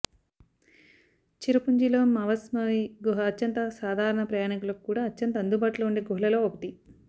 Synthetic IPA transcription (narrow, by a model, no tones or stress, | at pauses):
t͡ʃiɾupuɲd͡ʒiloːmɐʋɐsmɐʋiɡuɦɐːtːɕɐnt̪ɐsaːd̪ʱaːɾɐɳɐpɾɐjaːnikulɐkukuːɽaːɐtːjɐnt̪ɐnd̪ubaːʈuloːuɳɖeːɡuɦlɐloːokɐt̪i